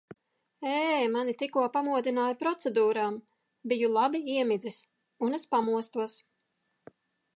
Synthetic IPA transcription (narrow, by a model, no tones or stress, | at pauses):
ɛːmanit̪ikuɔpamuɔd̪inaːjupɾɔt̪sɛd̪uːɾaːm | bijulˠabiiɛmid̪zis | unɛspamuɔst̪uɔs